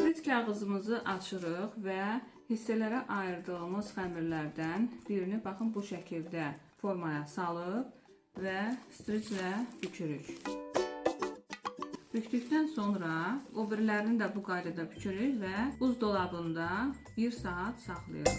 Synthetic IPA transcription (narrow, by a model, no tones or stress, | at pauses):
ɾit̪ʰcʰɑʁɯzɯmɯzɯʔɑt͡ʃʰɯɾɯχvæhisːælæɾæʔɑjɯɾd̪ɯɯlˠmɯzχæmiɾlæɾd̪ænb̥iɾinibɑχɯmbuʃæcʰild̪æfo̞ɾmɑjɑsɑlˠɯp | væst̪ɾit͡ʃlæb̥ycʰyɾyɾ | b̥yct̪ycd̪ænso̞nɾɑobeɾlæɾinid̪æbuɡɑjd̪ɑd̪ɑbycʰyɾyɾvæuzd̪o̞lˠɑbɯnd̪ɑ | biɾsɑɑt̪sɑχlˠɯ̰jɯɾ